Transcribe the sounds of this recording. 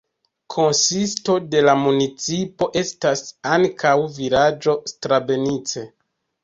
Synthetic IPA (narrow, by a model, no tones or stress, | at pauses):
kʰo̞nsisto̞de̞lamunit͡sipo̞ʔe̞stasaŋkʰawviɾad͡ʒo̞stɾabe̞nit͡se